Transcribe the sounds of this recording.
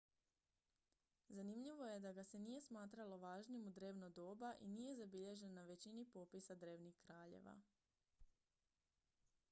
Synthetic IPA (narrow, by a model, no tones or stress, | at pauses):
zanimʎiʋo̞je̞d̪aɡase̞nije̞smaːt̪ɾalo̞ʋaːʒnimud̪ɾe̞ːʋnod̪o̞ːbaʔinije̞zabiʎe̞ʒe̞nːaʋe̞t͡ɕinipo̞pisad̪ɾe̞ːʋnixkɾaːʎḛʋa̰